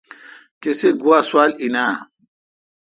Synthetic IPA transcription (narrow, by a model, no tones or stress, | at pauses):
keseɡuaswalinaː